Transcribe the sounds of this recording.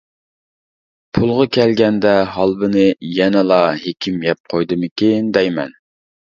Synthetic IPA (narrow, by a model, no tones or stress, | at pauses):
pʰulˠʁɑkʲʰɛlɡʲɛnd̪ɛɦɑlˠbɨnɨjɛnɛlˠɑɦekʲʰimjɛp̚qʰojd̪ɨmɪkʲend̪ɛjmɛ̰n